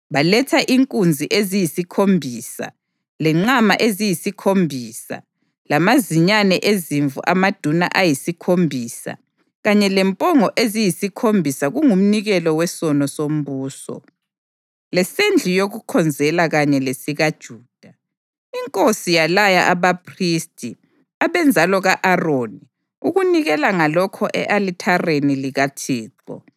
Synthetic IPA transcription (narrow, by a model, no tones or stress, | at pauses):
βalɛtʰaʔiŋkʼund͡zʱiʔezijisikʰombʱiːsa̰ | lɛŋ͡ǀama̰ʔezijisikʰombʱiːsa̰ | lamaziɲanɛʔeziɱvṵʔamad̥ʱuna̰ʔajisikʰombʱisa̰ | ɣaɲɛlɛmpʼɔŋɔʔezijisikʰombʱisaɣuŋum̩niɣɛlɔwɛsɔnɔsom̩βuːsɔ̰ | lɛsend͡ɮʱujoɣukʰɔnd͡zʱɛlaɣaɲɛlesiɣad̥ʒ̥ʱuːd̥ʱa | iŋkʼosijalajaʔaβapʰristʼi | aβɛnd͡zʱalɔɣaʔaroːni | uɣuniɣɛlaŋalɔkʰɔʔɛʔalitʰareniliɣatʰiːǁɔ̰